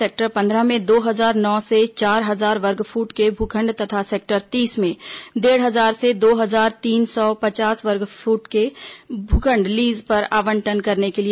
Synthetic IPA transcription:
eːk̚ʈəɾpɐ̃nd̪ɾəmẽd̪oːɦɐzaːɾnɔːset͡ʃaːɾɦɐzaːɾʋɐɾɡpʰuːʈkebʱʊkʰə̃ɳɖt̪ɐt̪ʰaseːk̚ʈəɾt̪iːsmẽd̪eːɽɦɐzaːɾsed̪oːɦɐzaːɾt̪iːnsɔːpɐt͡ʃaːsʋɐɾɡfʰuːʈkebʱʊkʰə̃ɳɖliːzpɐɾaːʋə̃ɳʈənkɐɾnekeli

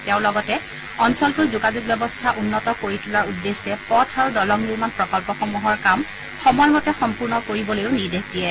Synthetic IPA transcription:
tɛʊ̃lɔɡɔtɛ | ɔnsɔltʊɹzuɡazuɡ̚bɛbɔstʰaʔunːɔtɔkoɹitʰulaɹudːesːɛpɔtʰaɹudɔlɔŋniɹmanpɹɔkɔlpɔxɔmuɦɔɹkam | xɔmɔjɔmɔtɛxɔmpuɹnɔkoɹibɔlojʊniɹdek̚d̥ijɛ

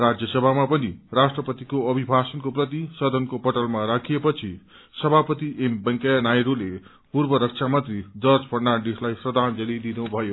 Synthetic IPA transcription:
rad͡zjʌsʌbʱamapʌnirasʈrʌpʌt̪ikoʌbʱibʱasʌnkoprʌt̪̬isʌd̪ʱʌnkopʌʈʌlmaɾakʰijepʌt͡sʰi | sʌbʱapʌt̪iʔembʌŋkanajɾule | purbʌɾʌk̚t͡sʰamʌnt̪rid͡zʌrd͡zpʌrnaɖislajsrʌd̪ʱand͡zʌlid̪inubʱʌjo

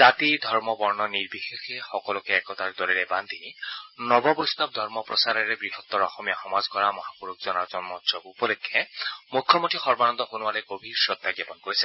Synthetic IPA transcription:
zat̪id̪ʱɔɹmɔbɔɹnɔniɹbixexɛxɔkɔlɔkɛɛkɔtaɹd̪ɔɹilɛband̪ʱinɔbɔpɹust̪ab̚d̪ʱɔɹmɔpɹɔ̰saɾɛɹɛɡɹiɦɔt̪ːɔɹɔxɔmijaxɔmazkɔɹamɔɦapuɹuk̚z̥ɔnazɔnmɔtɹɔkupɔlɔkʰːɛmukʰːɔmɔtʰixɔɹbanɔnd̪ɔɦonʊwalɛɡobʱiɹsɹɔt̪ːaɡjɔpɔnkoɹisɛ

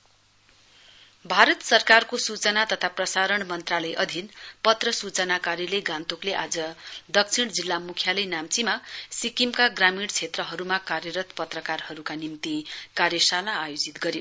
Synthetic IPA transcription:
bʱaɾʌt̪sʌrkarkosut͡sʌnat̪ʌt̪ʰaprʌsaɾʌɳmʌnt̪ralʌjʔʌd̪ʱinpʌt̪rʌsut͡sʌnakaɾileɡãnt̪okleʔad͡zʌd̪ʌk̚t͡sʰiɽd͡zilːamukʰjalʌjnamt͡simasikimkaɡramiɽt͡sʰet̪rʌɦʌɾumakarjʌɾʌt̪pʌt̪rʌkarhʌɾukanimt̪ikarjʌsanaːjod͡zit̪ɡʌɾjo

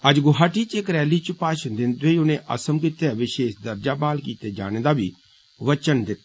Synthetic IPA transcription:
ɐd͡ʒɡʊɦaːʈiːt͡ʃeːkɾɛːliːt͡ʃpaːʃənd̪ɪnt̪ʋeiʊnẽʔɐ̰səmkɪt̪eːʋɪʃeːʃd̪ɐɾd͡ʒaːbaːlkiːt̪eːd͡ʒa̰ːɽ̃ed̪aːbiː | ʋət͡ʃənd̪ɪt̪

